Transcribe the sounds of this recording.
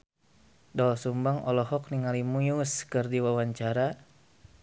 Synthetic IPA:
dɔsumbaŋɔ̰lɔɦɔk̚niŋalimujuskɨrdiwawaɲt͡ʃaɾa

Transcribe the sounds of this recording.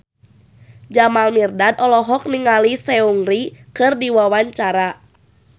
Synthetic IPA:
d͡ʒamalmirdadɔlɔɦɔk̚niŋalisɛuŋɾikɨrdiwawaɲt͡ʃaɾa

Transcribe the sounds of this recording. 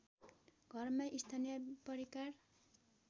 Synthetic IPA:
ɡʱʌrmaʔist̪ʰanijʌpʌɾikar

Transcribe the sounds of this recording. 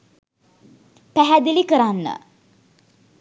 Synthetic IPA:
pæɦæd̪ilikəɾanːə̰

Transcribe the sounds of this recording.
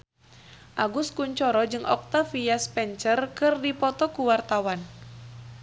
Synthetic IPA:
ʔaɡuskuɲt͡ʃɔɾɔd͡ʒɨŋɔ̰k̚t̪afiaspɛɲt͡ʃərkɨrdipɔt̪ɔkuwart̪awan

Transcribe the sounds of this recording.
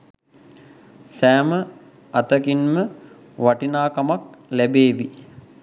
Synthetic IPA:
sæːmə | at̪əkinmə | ʋaʈinaːkamaklæbeːʋi

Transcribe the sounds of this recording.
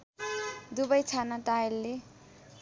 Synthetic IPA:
d̪ubʌjt͡sʰanaʈajlːe

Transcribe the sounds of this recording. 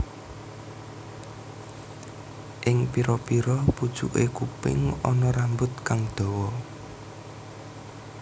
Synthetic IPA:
ʔɪŋpiɾɔpiɾɔpud̥ʒ̥uʔekupɪ̰ŋɔnɔɾambʊt̪̚kaŋd̪̥ɔ̤wɔ

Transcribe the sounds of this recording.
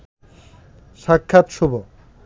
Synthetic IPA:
ʃakʰːat̪ʃubo

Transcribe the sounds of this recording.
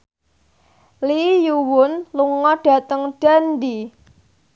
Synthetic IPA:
lijuwʊnluŋɔɖ̥ä̤t̪əŋɖ̥and̪i

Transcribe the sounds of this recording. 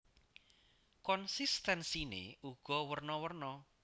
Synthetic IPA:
kɔnsist̪ɛnsinḛuɡ̥ɔ̤wərnɔwərnɔ

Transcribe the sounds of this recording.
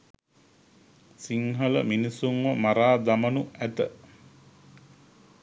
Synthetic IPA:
siŋɦələ̰minisuŋʋəmaɾaːd̪amənuæt̪ə

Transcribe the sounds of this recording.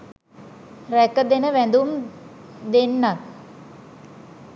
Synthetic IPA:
rækəd̪enəʋænd̪um | d̪enːat̪̚

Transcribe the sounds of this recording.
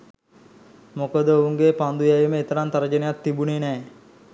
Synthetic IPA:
mokəd̪əouŋɡepand̪ujajiməet̪əɾant̪ɐɾəd͡ʒənejat̪ːibunenɛː

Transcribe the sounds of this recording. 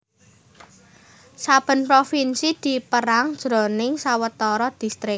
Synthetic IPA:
sab̥ə̤npɾofinsid̪̥i̤pəɾaŋd̥ʒ̥ɾo̤nɪŋsawət̪ɔɾɔd̪̥i̤st̪ɾɪk̚

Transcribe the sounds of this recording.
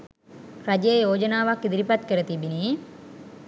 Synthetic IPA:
rad͡ʒəjəjoːd͡ʒənaːʋakːid̪iɾipat̪kəɾət̪ibiniː

